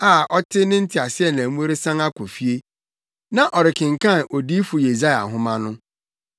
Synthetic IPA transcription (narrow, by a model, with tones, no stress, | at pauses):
aː˦˨ʔɔ˦tʰɪ˦nɪ̃˦n̩˦tʰɪ˨a˨sɪ˦ɛ˦˨nã˨˦mũ˦e˦ɾe˦sã˦ŋa˦kɔ˨fi˦e˦ | nã˨ʔɔ˨ɾɪ˨kʰɪ̃˨ŋ̩˨kʰã˦˨ʔo˨di˦fu˨je˨za˦ja̰˨ɦʊ̃˦mã˦nʊ̃˦